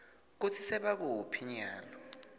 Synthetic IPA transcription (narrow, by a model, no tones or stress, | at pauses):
k̬ut͡sʰisɛɓak̬uupʰiɲaːlɔ